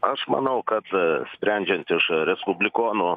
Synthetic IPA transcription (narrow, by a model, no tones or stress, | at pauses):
ɐʃmɐ̰nɐʊkɐt̪ssʲpʲɾʲɛnʲd͡ʒʲɛnt̪ɪʃɾʲɛspʊbʲlʲɪkoːnuː